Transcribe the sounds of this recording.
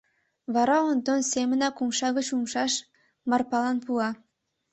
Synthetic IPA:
βɑɾɑond̪onsemə̆nɑkumʃɑɣət͡ɕumʃɑʃ | mɑrpɑlɑnpuɑ

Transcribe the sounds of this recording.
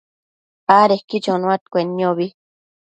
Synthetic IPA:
aɾehkːit͡ʃonũat̪kʷenːioβi

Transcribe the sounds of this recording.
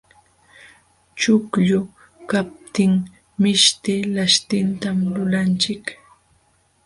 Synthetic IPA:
t͡ʃʊkʎʊ | kap̚t̪ɪŋ | mɪʃt̪ɪlaʃt̪ɪnt̪amlʊlant͡ʃɪk

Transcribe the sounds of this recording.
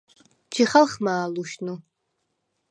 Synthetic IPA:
t͡ʃʰiχɐlχmaːluʃnu

